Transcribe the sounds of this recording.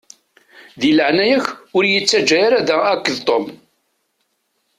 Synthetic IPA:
ðiləʕnæjæçʊɾjət͡sːæd͡ʒːæjaɾæðæækːəðt̪ˤom

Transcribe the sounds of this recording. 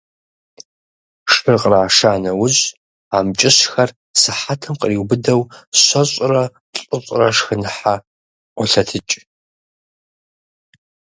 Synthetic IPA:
ʂɨrqraːʂaːnɐwʊʑ | aːmt͡ʃʼɪɕxɐr | sɨħatʰɐmqəriːwbɨdɐwɕʷɐɕʷʼrɐ | ɬʼɨɕʼrɐʂxɨnħa | qʷɔɬɐtʰɨt͡ʃʼ

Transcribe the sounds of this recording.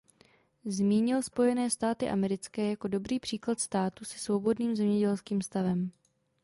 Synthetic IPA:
zmiːɲɪlspo̞jɛnɛːst̪aːt̪ɪʔa̰mɛɾɪt͡skɛːjako̞do̞bɾiːpr̝̥iːklat̪st̪aːt̪usɛ̥svo̞bo̞dniːmzɛmɲɛɟɛlskiːmst̪avɛm

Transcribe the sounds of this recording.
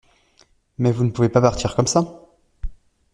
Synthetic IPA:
mɛvunəpuvepapaʁt̪ʰiʁkɔmsa

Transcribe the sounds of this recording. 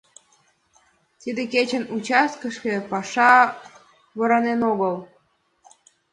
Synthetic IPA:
t̪id̪eket͡ɕə̆nut͡ɕɑskə̆ʃkĕpɑʃɑ | βɤ̆ɾɑnenoɣəlˠ

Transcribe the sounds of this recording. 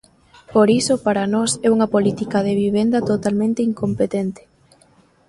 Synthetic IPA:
poɾisopaɾɐnɔsɛuŋɐpolit̪ikɐð̞eβiβ̞end̪ɐt̪ot̪almẽnt̪eiŋkompet̪ɛnt̪e̥

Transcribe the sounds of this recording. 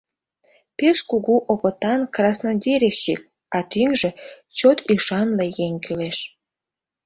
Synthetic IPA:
peʃkuɣuʔopət̪ɑnkrɑsnɑdʲeɾʲeʃik̚ | ɑt̪yŋʒe̽ | t͡ɕot̪yʃɑnleɣeŋʲkyleʃ

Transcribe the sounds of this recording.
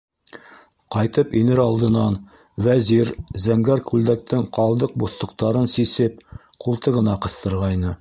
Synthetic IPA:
qɑjt̪ɤpinɘɾɑlˠd̪ɤ̆nɑn | væziɾzæŋɡæɾkʉld̪æk̚t̪ɘŋqɑlˠd̪ɤq̚buθt̪ŏq̚t̪ɑɾɤnsisɘp̚ | qulˠt̪ɤʁɤ̆nɑqɤ̆θt̪ɤ̆ɾʁɑjnɤ

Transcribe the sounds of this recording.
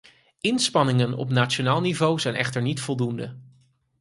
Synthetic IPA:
ʔɪnspɑnɪŋənɔ̰pnaːtt͡ʃonaːlˠnivowzɛjnɛχtəɹnitfɔlˠdundə

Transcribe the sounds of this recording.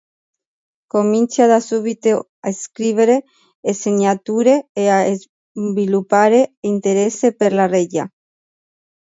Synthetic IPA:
komint͡sjaðasuβit̪e | aeskɾiβeɾeː | seɲat̪uɾeeaez | bilupaɾeint̪eɾesepeɾlareɟa̰

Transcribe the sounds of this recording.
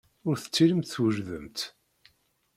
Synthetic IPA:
ʊɾθə̥t͡sːiləmt̪θwəʒðəmt̪

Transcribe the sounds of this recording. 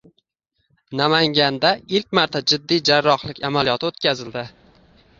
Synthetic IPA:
namaŋɡʲand̪aɪlk̚ʲmaɾt̪ʰad͡ʒɪd̪ːijd͡ʒaɾːɒχlɪkʲamalijɒt̪ʰɪot̪kʲʰazɪld̪ɪ

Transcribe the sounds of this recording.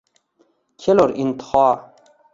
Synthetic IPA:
kʰeloɾint̪χɑː

